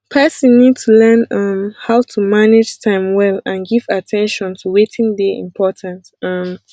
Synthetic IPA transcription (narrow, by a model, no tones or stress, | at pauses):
pʰɛsɔ̃nːid̚tʰulɛ̃nʌ̃mhaʊtʰumaned͡ʒtʰãɪ̃mwɛlãnɡivatʰɛ̃nʃɔ̃ntʰuwetʰĩŋdɛʔḭ̃mpʰɔtʰãntʌm